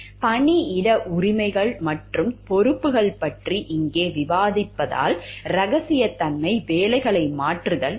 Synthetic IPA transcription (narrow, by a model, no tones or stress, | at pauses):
pɐɳiɪɽɐʔʊrɪmɐɪɣɐɭmɐʈrɯmpɔɾɯpːɯɣɐɭpɐʈriʔɪŋɡeːʋɪʋaːðɪpːɐða̰ːlɾɐɣɐsɪjɐt̪ːɐnmɐɪʋeːlɐɪɣɐɭɐɪmaːʈrɯðɐɭ